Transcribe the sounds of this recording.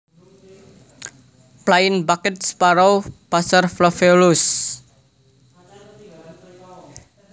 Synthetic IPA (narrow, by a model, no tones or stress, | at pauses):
plaɪnbakɛt̪̚spaɾawpasərflɔfelus